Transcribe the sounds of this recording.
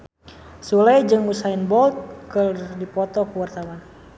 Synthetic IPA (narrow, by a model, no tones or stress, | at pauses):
sulɛjd͡ʒɨŋmusainbɔlt̪̚kərdipɔt̪ɔkəwart̪awan